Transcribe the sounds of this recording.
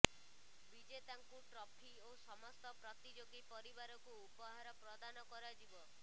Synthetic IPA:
bid͡ʒet̪aŋkuʈɾɔpʰiosɔmɔst̪ɔpɾɔt̪id͡ʒoɡipɔɾibaɾɔkuːpɔɦaɾɔpɾɔd̪anɔkɔɾad͡ʒibɔ

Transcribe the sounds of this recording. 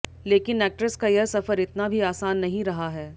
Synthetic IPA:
leːkɪnɛːk̚ʈɾəskajɐsɐfəɾɪt̪nabʱiaːsaːnːɐɦĩɾɐɦaɦɛː

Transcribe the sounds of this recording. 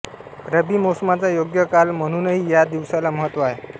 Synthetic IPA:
ɾəbimosəmat͡sajoɡjəkalm̤əɽ̃uːnəɦiːjad̪iʋsalaməɦət̪ːʋaɦe

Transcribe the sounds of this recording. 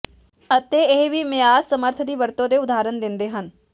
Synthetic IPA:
ət̪eːɪɦʋiːmẽaːzsəməɾt̪ʰd̪iːʋəɾt̪õːd̪eːʊd̪aːɾənd̪ɪnd̪eːɦən

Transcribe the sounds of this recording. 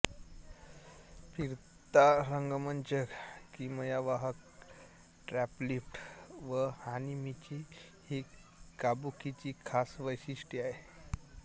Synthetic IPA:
pʰiɾ | t̪aɾəŋɡmənt͡ɕəkkiməjaʋaɦək̚ | ʈɾæplifʈʋəhanimit͡ɕi | hi | kabukit͡ɕikʰasʋəjɕiʂʈiaɦe

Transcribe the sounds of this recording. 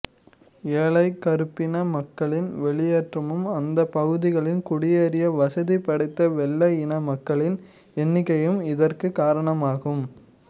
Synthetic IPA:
eːɭɐɪkːɐɾɯpːɪnɐmɐkːɐɭɪnʋɛɭɪjeːʈrɐmɯmɐnd̪ɐpɐɣɯðɪɣɐɭɪnkʊɽɪjeɾɪjɐʋɐsɐðipɐɽɐɪt̪ːɐʋɛlːɐjɪnɐmɐkːɐɭɪn | ɛnːɪkːɐjɯmɪðɐrkɯkaːɾɐɳɐmaːɣɯm

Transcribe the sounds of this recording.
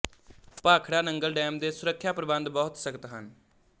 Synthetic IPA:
paːkʰɽaːnəŋɡəlɖɛːmd̪eːsʊɾəkʰːjaːpɾəbə̃nd̪bɔːʊt̪səkət̪ɦən

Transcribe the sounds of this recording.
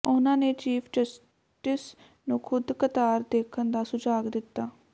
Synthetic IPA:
ʊnãːneːt͡ʃiːpʰd͡ʒəs | ʈɪs | nũːkʰʊd̪kət̪aːɾd̪eːkʰənd̪aːsʊd͡ʒaːɡd̪ɪt̪ːaː

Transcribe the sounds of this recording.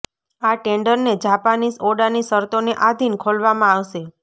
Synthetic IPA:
aʈeɳɖəɾned͡ʒapanisoɽanisəɾt̪oneʔad̪ʱinkʰolʋamãaʋʃe

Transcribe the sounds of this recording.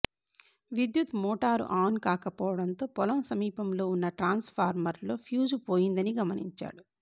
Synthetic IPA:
ʋid̪jut̪mɔːʈaːɾṵʔaːnkaːkɐpɔːʋɐɽɐnt̪o̞ːpɔlɐmsɐmiːpɐmlo̞ːunːɐʈɾaːnspʰaːɾmɐɾlo̞ːpʰjuːd͡ʒupoːjind̪ɐniɡɐmɐnḭɲt͡ʃa̰ːɽu

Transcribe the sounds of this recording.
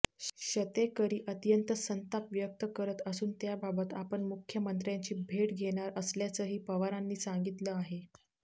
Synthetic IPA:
ɕət̪ekəɾiːʔət̪jənt̪əsənt̪apʋjək̚t̪əkəɾət̪əsuːnt̪jababət̪apəɳmukʰjəmənt̪ɾjaɲt͡ɕiːbʱeʈɡʱeɽ̃aɾəsljat͡səɦiːpəʋaɾanːiːsaŋɡit̪ləaɦe

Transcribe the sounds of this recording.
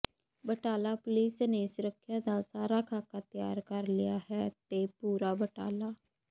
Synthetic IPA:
bəʈaːlaːpʊliːsneːsʊɾəkʰːjaːd̪aːsaːɾaːkʰaːkaːt̪ɪja̰ːɾkəɾlɪjaːhɛːt̪eːpuːɾaːbəʈa̰ːlaː

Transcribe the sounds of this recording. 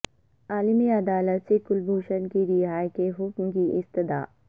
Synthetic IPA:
aːlimiɐd̪aːlət̪sekʊlbʱoːʃənkiɾɪɦaːjkeɦʊkmkiʔɪst̪ɪd̪a̰ː

